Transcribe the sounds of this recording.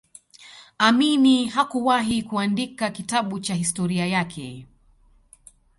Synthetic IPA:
aminiɦakuwaɦikuandikakitaɓut͡ʃahistɔɾiajakʰɛ̰

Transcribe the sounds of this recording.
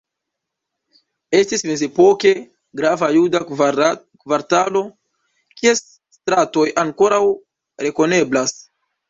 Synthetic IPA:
e̞stisme̞ze̞po̞ke̞ | ɡɾavajuda | kvaɾtalo̞ | kies | stɾato̞jaŋko̞ɾaw | ɾe̞ko̞ne̞blas

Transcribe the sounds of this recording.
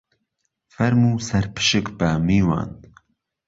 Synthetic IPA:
fɛɾmuːsɛɾpʰɨ̥ʃɨkbamiːwɑ̰ːnd̪

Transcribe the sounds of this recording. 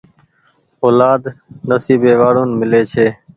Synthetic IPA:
oːlaːd̪nəsiːbeːʋaːɽoːnmɪleːt͡ʃʰeː

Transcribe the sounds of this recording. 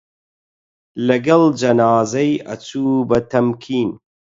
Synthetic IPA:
lɐɡɐld͡ʒɐnaːzɐjɐ̰t͡suːbɐt̪ʰɐmkʰiːn

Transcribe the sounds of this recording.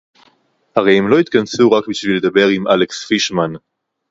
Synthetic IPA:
haʁejhemlo̞it̪kansuʁakbiʃviled̪abe̞ʁimʔale̞ksfiʃman

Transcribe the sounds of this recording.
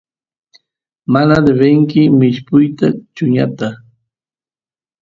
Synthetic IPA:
manad̪eβeŋkɪmɪʃpʊjt̪at͡ʃʊɲa̰t̪a

